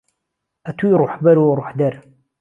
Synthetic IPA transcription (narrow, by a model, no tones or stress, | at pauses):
æt̪wiɾʊħbæɾɾˤʊħd̪æɾ